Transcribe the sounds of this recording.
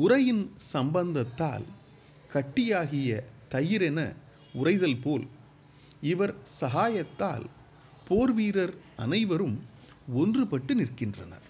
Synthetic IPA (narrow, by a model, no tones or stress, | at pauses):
ʊrɐjɪnsɐmbɐnd̪ɐt̪ːa̰ːl | kɐʈːɪjaːɣɪjɐt̪ɐjɪɾɛnɐ̰ | ʊrɐɪðɐlpoːl | ɪʋɐɾsɐɦaːjɐt̪ːa̰ːl | poːɾʋiːɾɐɾɐ̰nɐɪʋɐɾɯm | ɔndrɯpɐʈːɯnɪrkɪndrɐnɐ̰ɾ